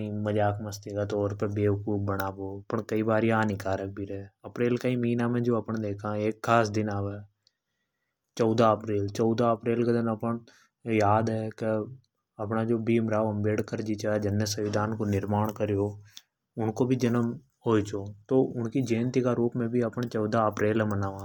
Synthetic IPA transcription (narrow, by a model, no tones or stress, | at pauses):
ĩməd͡ʒaːkməst̪ikat̪ɔːɾpebeːʋəkuːp̚bəɽaːpoːpəɳkəibaːɾjaːnikaːɾək̚bʱiɾəɛəpɾeːlkaiməɦĩːnamẽd͡ʒoːɐpɳ̃d̪eːkʰãːeːkːaːsd̪ɪnaːʋɛː | t͡ʃɔːd̪aəpɾeːlt͡ʃɔːd̪aəpɾeːlked̪ɪnəpəɳ | jaːd̪ɛːkə | əpɳaːd͡ʒoːbiːmɾaːʋəmbeːɽkəɾd͡ʒiːt͡ʃaːd͡ʒənːjəsəʋɪd̪ʱaːnkonɪɾmaːɳkəɾeoː | ʊnkoːbʱiːd͡ʒənəm | ɦoːit͡ʃoːt̪oːʊnkid͡ʒẽːnt̪ikaːɾuːpmẽbʱiːəpɳt͡ʃɔːd̪aːəpɾeːlɛ̃ːmənaːʋãː